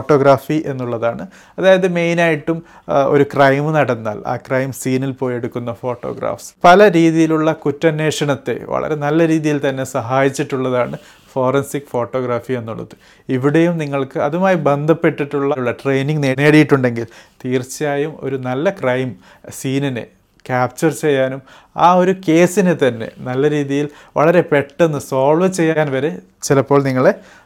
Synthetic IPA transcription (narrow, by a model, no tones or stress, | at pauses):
ʈːo̞ːɡɾaːfiʔe̞nːuɭːɐðaːɳɨ | ɐðaːjɐðɨme̞jnaːjiʈːum | o̞̰ɾukrɐjmɨnɐɽɐnːa̰ːla̰ːkrɐjmsiːnilpoːje̞ɽukːunːɐfo̞ːʈːo̰ːɡra̰ːfspɐlɐɾiːðijiluɭːɐkutːɐnːe̞ːʂɐɳɐt̪ːe̞̰ʋɐ̰ɭʔɐ̰ɾe̞nɐlːɐɾiːðijilt̪ɐnːe̞sɐɦaːjit͡ɕːiʈːuɭːɐðaːɳɨ | fo̞ːrɐnsikfo̞ːʈːo̞ːɡɾaːfie̞nːuɭːɐ̰ðɨ | iʋiɽe̞jumniŋːɐɭkɨɐðumaːjibe̞nd̪ʱɐpːe̞ʈːiʈːuɭːɐuɭːɐʈre̞jniŋɡnene̞ːɽijiʈːuɳɖe̞ŋɡilt̪iːrt͡ɕjaːjumo̞̰ɾunɐlːɐkrɐjm | siːninɨ̰ | kaːp̚t͡ɕɐrt͡ɕe̞jːaːnum | aːo̞ɾuke̞ːsinɨt̪ɐnːe̞̰nɐlːɐɾiːðijil | ʋɐ̰ɭɐɾe̞pe̞ʈːe̞nːɨso̞ːɭʋɐt͡ɕe̞jːajaːnʋɐɾe̞ | t͡ɕilɐpːo̞ːɭniŋːɐɭe̞